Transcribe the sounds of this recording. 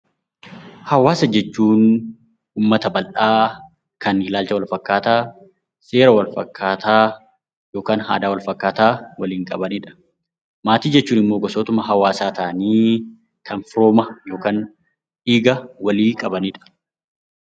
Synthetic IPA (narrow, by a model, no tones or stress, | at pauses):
hɐwaːsɐd͡ʒɛt͡ʃːuːn | uːmːɐt̪ɐbɐlʔaː | kɐnhɪlaːlt͡ʃɐwɐlfɐkːaːt̪aː | se̞ːɾɐwɐlfɐ̰kʰːaːt̪aː | jo̞ːkaːnha̰ːd̪aːwɐlfɐkːaːt̪aːwɐliːŋkʼɐbɐniːᶑɐ̥ | maːt̪iːd͡ʒɛt͡ʃːuːnɪmːoːɡɔsoːt̪ʊmɐɦɐwaːsaːt̪aːniː | kʰɐnfɾoːmɐjo̞ːkaːn | ᶑiːɡɐwɐliːkʼɐbɐniːᶑɐ̥